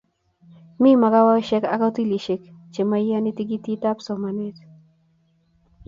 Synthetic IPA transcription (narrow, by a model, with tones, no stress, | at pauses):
mi˦ma˨ka˦wa˦wʃɛ˦ka˦ka˦ti˦li˨ʃe˨kt͡ʃe˨ma˦ja˦ni˦ti˦ɡi˦ti˦ta˦psɔ˨ma˨nɪ˦t